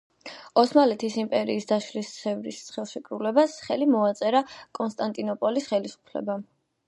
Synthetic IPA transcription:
ɔsmalɛt̪ʰisimpʼɛɾiːsd̪aʃlist̪sʰɛvɾḭst̪sʰχɛlˠʃɛkʼɾulɛbasχɛlimɔat̪sʼɛɾakʼɔnst̪ʼant̪ʼinɔpʼɔlisχɛlisu̥pʰlɛ̰ba

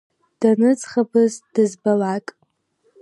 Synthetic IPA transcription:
d̥anɨt͡sχabɨzd̥ɨzbalakʼ

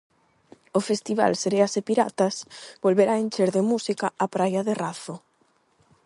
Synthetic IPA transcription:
ofest̪iβ̞a̰lseɾeasepiɾa̰t̪asbolβeɾaenʲt͡ʃeɾðemusikaapɾajaðeraθo

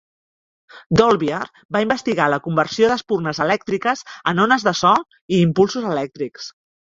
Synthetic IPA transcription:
d̪olˠβiaɾ | baimbəst̪iɣaləkumbərsioðəspurnəzəlɛk̚t̪ɾikəzənonəzðəsɔ | iːmpulˠsuzəlɛk̚t̪ɾiks

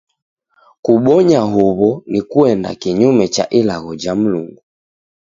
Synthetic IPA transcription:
kuɓɔɲaɦuβɔnikuɛnda̰kiɲumɛt͡ʃa̰ʔilaɣɔd͡ʒam̩luŋɡu

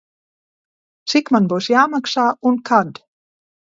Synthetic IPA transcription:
sikmanbosjaːmaksaunkʰad̪

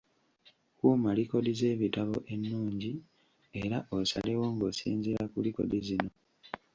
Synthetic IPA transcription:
kuːmaliko̞dize̞ːβitaβo̞ʔe̞nːuːɲɟi | e̞ɾaʔosa̰lewoːŋɡosḭːnziɾakuliko̞̰dizino̞

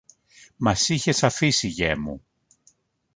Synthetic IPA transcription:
mɐsiçe̞sɐfisiʝemṵ

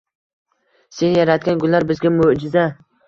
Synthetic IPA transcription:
se̞njaɾat̪̚ɡʲanɡʊlˠːaɾbɪzɡʲamod͡ʒɪza

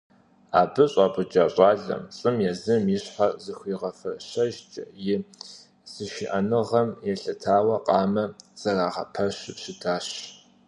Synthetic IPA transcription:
a̰ːbɨɕʼɑːbʊd͡ʒʼaːɕʼɑːɮɐ̰mt͡sʼɨmjɛzɨmjɪɕħazɨxʷiːʁɐfɐɕɐʒt͡ʃʼɐ̰jɪ | z̥ɨʃɪʔɐnɨʁɐmjɛɬɐtʰaːwɐqʼɑːmɐz̥ɐraːʁɐ̰pʰɐɕɕɪtʰaːɕ

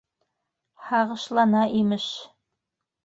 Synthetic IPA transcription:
hɑʁɤ̆ʃlˠɑnɑʔimɘʃ

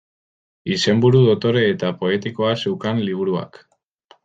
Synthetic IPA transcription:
ise̞mbuɾuðo̞t̪o̞ɾe̞ːt̪apo̞e̞t̪iko̞asewkanliβ̞uɾua̰k

